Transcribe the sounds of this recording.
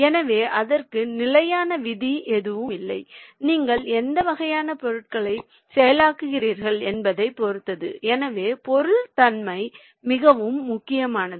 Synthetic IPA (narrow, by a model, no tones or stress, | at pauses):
ɛnɐʋeːʔɐðɐrkɯnɪlɐjaːnɐʋɪðiʔɛðɯʋɯmɪlːɐɪniːŋɡɐɭɛnd̪ɐʋɐɣɐjaːnɐpɔɾɯʈ̚kɐɭɐɪ | sɛjɐlaːkɯɣɪriːɾɣɐɭɛnbɐðɐɪpɔɾɯt̪ːɐðɯ̰ʔɛnɐʋeːpɔɾɯɭt̪ɐnmɐɪ | mɪɣɐʋɯmːʊkːɪjɐmaːnɐð